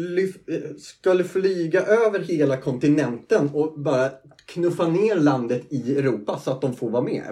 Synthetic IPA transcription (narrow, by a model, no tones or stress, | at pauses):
lʏfskɵlːəflyːɡaʔøːvəɾɦeːlakʰɔnt̪ɪnɛnt̪ənɔbɑːɾja | kʰnɵfːaneːɾland̪ət̪ɪɛɾuːpasɔat̪̚d̪ɔmfoːɾvɑːmḛː